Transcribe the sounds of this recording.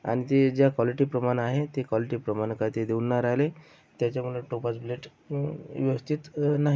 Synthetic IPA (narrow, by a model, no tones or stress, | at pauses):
a̰ɽ̃it̪ed͡ʑjakaliʈiːpɾəmanaɦet̪ekʋaliʈiːpɾəmankajt̪ed̪eunːaɾajle | t̪jat͡ɕamuɭeʈopasbleʈ | ʋiəst̪it̪naɦi